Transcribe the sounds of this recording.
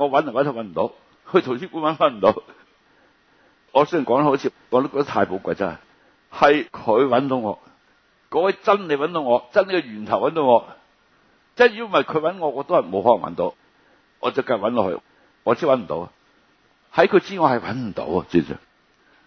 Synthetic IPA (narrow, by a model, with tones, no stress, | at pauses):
ŋɔː˨˧wɐ˨˦˥n˨˩wɐ˨˦nt̪hɐ˨˩wɐ˨˦nm̩˨˩t̪o̰˧˥w | kʰɵ˧jt̪ʰʊ˨˩ŋsʰiː˥kuː˨˥nwɐ˨˥n˧wɐ˦˥nm̩˨˩t̪o˨˧˥w | ŋɔː˨˧sə˥jnkɔː˨˥ŋn˥ho˨˥t͡sʰiː˧ | ŋɔː˨˧t̪o˥kɔ˧˥t̪a˥t̪ʰaː˧jpo˧wkʷa˧jt͡sɐ̰˥hɐ̰˨˩ | hɐ˨jkʰɵ˨˧ɥwɐ˨˥nt̪o˧ŋɔ̰ː˨˧ | kɔː˨˥wɛ˨˧jt͡sɐ˥nle˨jwɐ˨˥nt̪o˧ŋɔː˨˧t͡sɐ˥ne˨jkɛ˧ɥyː˨˩nt̪ʰɐ˨˩wɐ˨˥nt̪ʊ˧ŋɔː˨˧ | t͡saː˥˩jyː˧˩˨mɐ˨˩jkʰɵ˨˧ɥwɐ˨˥nŋɔː˨˧ŋɔː˨˧t̪o˥whɐ˨˩mo˨˧˥whɔː˨˥lɐ˨˩wɐ̰˦˥nt̪o˨˧˥w | ŋɔː˨˧t͡sɐ˨wka˧jkwɐ˨˥nlɔː˧˩hɵ̰˧ | ŋɔː˨˧˥t͡sʰi˧˥wɐ˨˥nm̩˨˩t̪o̰˨˧wa˨ | hɐ˨˥jkʰɵ˨˧t͡siː˥ŋɔː˧hɐ˨˩jwɐ̰˨˥nm̩˨˩t̪o̰˧˥wɐ˨t͡siː˧˩sœ̰˨˩ŋ